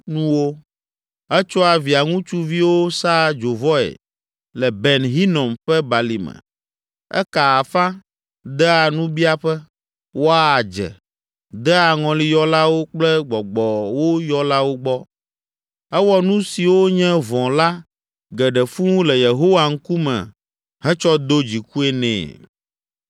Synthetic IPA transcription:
nũ˦wo˦ | ɛ˦t͡ʃɔ˦a˨vi˨a˨ŋũ˦t͡ʃu˦vi˦wo˦sa˦d͡ʒo˨vɔ˦ɛ̰˨ | lɛ˨bɛ˨nɦi˦nɔ̃˨mɸɛ˦ba˨li˨mɛ̰˨ | ɛ̰˦ka˨a˨fã˦ | d̪ɛ˦a˨nũ˦bi˦a˦ɸɛ˦ | wo˦a˦a˨d͡ʒɛ̰˨ | d̪ɛ˦a˨ŋɔ̃˨li˦jɔ˦la˦wo˦k͡plɛ˦ɡ͡bɔ˨ɡ͡bɔ˨wo˦jɔ˦la˦wo˦ɡ͡bɔ˦ | ɛ˦wɔ˦nũ˦si˨wo˦ɲɛ̃˦vɔ̃˨la˦ | ɡɛ˨ɖɛ˨fũ˦lɛ˨je˨ɦo˦wa˨ŋ̩˦ku˦mɛ̰̃˨ | ɦɛ̃˦t͡ʃɔ˦d̪o˦d͡ʑi˨ku˦ɛ˦nɛ̰̃ː˨

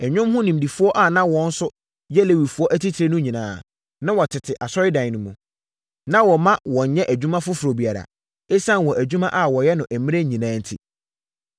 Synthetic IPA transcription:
ɛ˨ɲᶣʊ̃˦mhʊ̃˦nĩ˨m˨di˨fʊ˦ɔ˦ʔa˨nã˦wɔ̃˦n̩˦sʊ˦ | jɛ˦le˨wi˨fu˨˦ɔ˦ʔæ˦tʰi˦tʰɾe˦nʊ̃˦ɲĩ˨nãː˦˨ | nã˦wɔ˨tʰɪ˨tʰɪ˨ʔa˨sɔ˦ɾɪ˦dã˨nʊ̃˨mũ˨ | nã˦wɔ˨mã˦wɔ̃˨ɲ̩˨˦ɲɛ̃˦ʔæ˨d͡ʑᶣu˦mã˦fʊ˦fʊ˨ɾo˨bi˨a˨ɾa̰˨ | e˦sã˦n˨wɔ̃˨ʔæ˨d͡ʑᶣu˦mã˦ʔa˦wɔ˨jɛ˦nʊ̃˨ʔæ˨mĩ˦ɾe˦ɲĩ˨nãː˦n̩˦tʰḭ˦

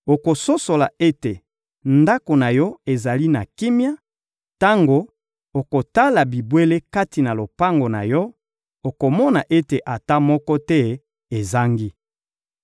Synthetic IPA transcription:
o˨ko˨so˦so˨la˨e˦te˨ | nda˦ko˨na˨jɔ˦e˨za˨li˦na˨ki˦mja˦ | ta˦ŋɡo˨ | o˨ko˨ta˦la˨bi˨bwe˦le˦ka˦ti˨na˨lo˨pa˦ŋɡo˨na̰˨jɔ˦ | o˨ko˨mɔ˦na˨ʔe˦te˨ʔa˨ta˦mɔ˦kɔ˦tɛ˦ | e˨za˦ŋɡi˦

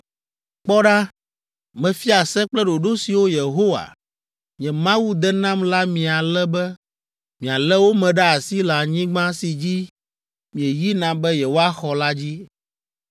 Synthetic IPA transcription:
k͡pɔ˦ɖa˦ | mɛ̃˨fi˦a˨sɛ˦k͡plɛ˦ɖo˨ɖo˦si˨wo˦je˨ɦo˦wa̰˨ | ɲĩ˨ɛ̃˨mã˦wu˦d̪ɛ˦nã˦mla˦mĩ˨a˨lɛ˦bɛ˦ | mĩ˨a˨lɛ˦wo˦mɛ̃˨ɖa˦a˨si˦la˨ɲĩ˦ɡ͡bã˦si˨d͡ʑi˦ | mĩ˨ɛ˨ji˦nã˨bɛ˦jɛ˨wo˦a˦xɔ˨la˦d͡ʑi˦

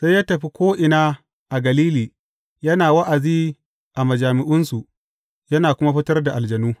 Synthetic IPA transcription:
sa˦jːaː˦tɐ˨ɸi˦kʷoː˦ʔɪ˨naː˦ | ʔa˨ɡɐ˨liː˦liː˨ | jɐ˦naː˨wɐ˦ʔa˨ziː˦ | ʔa˨mɐ˨d͡ʒaː˨mɪ˨ʔʊ˦nsu˨ʔ | jɐ˦naː˨kʷʊ˦ma˦ɸɪ˦tɐ˦rda˨ʔa˨ld͡ʒɐ˨nuː˦

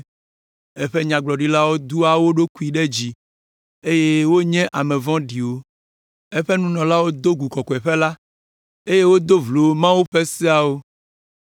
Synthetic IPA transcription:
e˦ɸe˦ɲã˨ɡ͡blɔ˨ɖi˦la˦wo˦d̪u˦a˨wo˦ɖo˦ku˦i˨ɖe˦d͡ʑi˨ | e˦je˦wo˦ɲɛ̃˦ʔa˨mɛ̃˨vɔ̃˦ɖi˨wo˦ | e˦ɸɛ˦nũ˦nɔ̃˨la˦wo˦d̪o˦ɡu˨kɔ˨kɔ˨ɛ˨ɸe˦la˦ | e˦je˦wo˦d̪o˦vlo˨˦mã˦wu˦ɸe˦si˦a˨wo˦

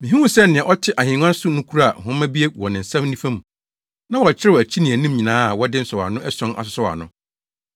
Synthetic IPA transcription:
mĩ˨ɦĩ˦wũ˦sɛ˦nɪ̃˨ɛ̃˨ʔɔ˦tʰɪ˦ʔa˨hɪ̃˨ŋ˦ã˦n˦sʊ˦nʊ̃˦kʰu˦ɾa˦a˨hʊ̃˦mã˦bi˦e˦wɔ˨nɪ̃˨n̩˨sã˦mnĩ˦fã˦m̃˨ | nã˦wɔ˨t͡ɕʰɪ˦ɾɪ˦wɔ˨æ˨t͡ɕʰi˦nĩ˨æ˨nʊ̃˦mɲĩ˨nãː˦a˨wɔ˦dɪ̃˦n̩˨sɔ˨wa̰˨nʊ̃˦ʔɛ˦sɔ̃˦nʔa̰˨sʊ˨sɔ˦wa̰˨nʊ̃˦

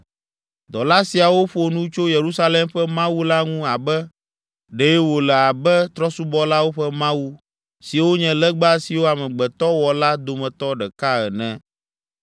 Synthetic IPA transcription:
d̪ɔ˨la˦si˨a˨wo˦ɸo˨nũ˦t͡ʃo˦je˨ɾu˦sa˦lɛ˦mɸɛ˦mã˦wu˦la˦ŋũ˦a˨bɛ˦ | ɖɛ˨jɛ˦wo˨lɛ˨a˨bɛ˦t̪ɾɔ˦su˦bɔ˦la˦wo˦ɸɛ˦mã˦wu˦ | si˨wo˦ɲɛ̃˨lɛ˦ɡ͡ba˦si˨wo˦a˨mɛ̃˨ɡ͡bɛ˨t̪ɔ˦wɔ˨la˦d̪o˨mɛ̃˨t̪ɔ˦ɖɛ˨ka˦ɛ˨nɛ̃˨˦

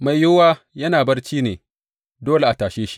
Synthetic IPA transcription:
ma˨jjʊ˦waː˦ | jɐ˦naː˨bɐ˦rt͡ʃiː˦neː˨ | doː˦le˦˨ʔa˨taː˨ʃeː˦ʃi̥˦

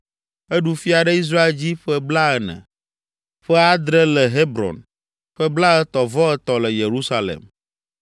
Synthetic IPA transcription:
e˦ɖu˦fi˦a˨ɖɛ˦i˦s̬ɾa˦e˦ld͡ʑi˦ɸɛ˦bla˦ɛ˨nɛ̰̃˨ | ɸɛ˦a˦d̪ɾɛ˦lɛ˨ɦe˦bɾɔ̰˨n | ɸɛ˦bla˦ɛ˦t̪ɔ˨vɔ˦ɛ˦t̪ɔ˨lɛ˨je˨ɾu˦sa˦lḛ˨m

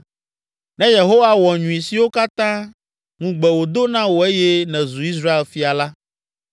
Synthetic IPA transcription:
nɛ̃˦je˨ɦo˦wa˦wɔ˨ɲũ˨ĩ˨si˨wo˦ka˦t̪ã˦ | ŋũ˦ɡ͡bɛ˨wo˨d̪o˦nã˦wo˨e˦jɛ˦nɛ̃˨zu˨i˦s̬ɾa˦e˨lfi˦a˨la˦

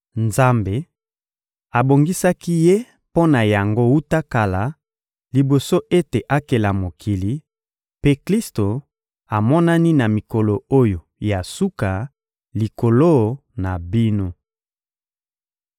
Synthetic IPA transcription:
nza˦mbe˨ | a˨bo˨ŋɡi˦sa˦ki˦je˦ | po˦na˨ja˨ŋɡo˦u˦ta˦ka˨la˨ | li˨bo˨so˦ʔe˦te˨ʔa˦ke˨la˨mo˨kʰi˨li˨ | pe˦kli˦sto˨ | a˨mɔ˦na˦ni˦na˨mi˨ko˨lo˨o˦jo˨ja˨su˦ka˨ | li˨ko˨lo˦na˨bi˦no˦

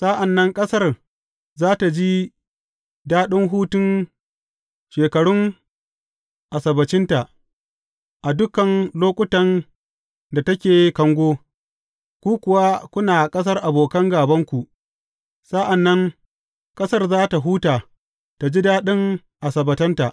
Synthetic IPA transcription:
sa˦ʔa˨nːɐ˦ŋkʼɐ˦sɐ˦r | zaː˦ta˨d͡ʒi˦ | daː˦ɗɪ˦ŋɦuː˦tʊ˦n | ʃeː˨kɐ˨ɽʊ˦ŋ | ʔa˨sɐ˨bɐ˨t͡ʃɪ˦nta˨ʔ | ʔa˨dʊ˦kɐ˨nloː˦kʷʼʊ˦tɐ˨n | da˨tɐ˦kʲeː˨kɐ˨ŋɡʷoː˦ | kʷuː˦kʷʊ˨wa˦kʷʊ˦naː˨kʼɐ˦s̬ɐ˦rʔa˨boː˨kɐ˦ŋɡaː˨bɐ˦ŋkʷu˨ʔ | sa˦ʔa˨nːɐ˦ŋ | kʼɐ˦sɐ˦rzaː˦ta˨ɦuː˦taː˨ | ta˨d͡ʒi˦daː˦ɗɪ˦ŋ | ʔa˨sɐ˨bɐ˨tɐ˦nta˨ʔ

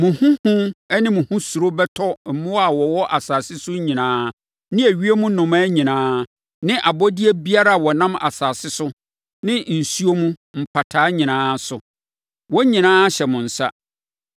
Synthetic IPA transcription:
mʊ̃˨hʊ̃˦hʊ̃˦ɛ˦nɪ̃˦mʊ̃˨hũ˦su˨ɾo˦bɛ˦tʰɔ˦m̩˨mʊ̃˦a˨wɔ˨wɔ˦ʔa˨saː˨sɪ˦sʊ˦ɲĩ˨nãː˦ | nɪ̃˦æ˨ɥi˦e˦mũ˦nʊ̃˨ma˦ɲĩ˨nãː˦ | nɪ̃˦ʔa˨bɔ˦dɪ˦e˦bi˦a˦ɾa˦a˨wɔ˨nã˦ma̰˨saː˨sɪ˦sʊ˦ | nɪ̃˦n̩˨su˦o˦mũ˦m̩˨pʰa˨tʰaː˦ɲĩ˨nãː˦sʊ˨ | wɔ˦ɲĩ˨nãː˦ɕɛ˨mʊ̃˨n̩˨sa̰˦

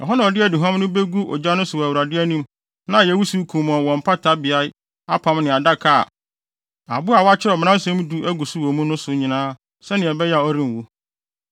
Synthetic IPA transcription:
ɛ̰˨ɦɔ˦nã˨ɔ˨dɪ˦ɛ˨dɪ˨ɦã˦mnʊ̃˦be˦ɡu˦ʔɔ̰˨d͡ʑa˦nʊ̃˦sʊ˨wæ˨wu˨ɾa˨dɪ˦æ˦nĩ˦m | nã˦˨jɛ˨˦wu˦su˦kʰũ˨mɔ̃˨wɔ̃˨m̩˨pʰa˦tʰa˦bɪ˨a˦ | a˦pʰã˨mnɪ̃˨a˨da˦kʰa˨a̰˨ | a̰˨bʊ˦a˨wɔ˦a˦t͡ɕʰɪ˦ɾɔ˨m˨nã˦sɛ̃˦m˦du˦æ˦ɡu˨su˦wɔ˨mũ˦nʊ̃˦sʊ˨ɲĩ˨nãː˦ | sɛ˦nɪ̃˨ɛ˨bɛ˦ja˨ɔ˦ɾĩ˦m˨wu˦

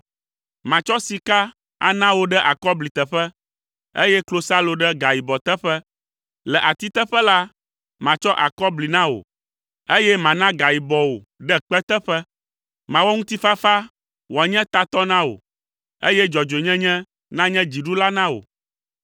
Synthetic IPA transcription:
mã˨t͡ʃɔ˦si˨ka˦ | a̰˨nã˦wo˨ɖɛ˦ʔa˨kɔ˦bli˨t̪ɛ˨ɸɛ˦ | ḛ˦jɛ˦klo˦sa˦lo˨ɖɛ˦ɡa˨ji˨bɔ˨t̪ɛ˦ɸɛ˦ | lɛ˨ʔa˨t̪i˦t̪ɛ˦ɸɛ˦la˦ | mã˨t͡ʃɔ˦ʔa̰˨kɔ˦bli˨nã˦wo̰˨ | e˦jɛ˦mã˨nã˦ɡa˨ji˨bɔ˨wo˨ | ɖɛ˦k͡pɛ˦t̪ɛ˦ɸɛ˦ | mã˨wɔ˦ŋũ˦t̪i˦fa˦fa˦ | wo˨a˨ɲɛ̃˦t̪a˨t̪ɔ˦nã˦wo̰˨ | ḛ˦jɛ˦d͡ʒɔ˨d͡ʒo˨ɲɛ̃˦ɲɛ̃˦ | nã˦ɲɛ̃˦d͡ʑi˨ɖu˦la˦nã˦wo̰˨

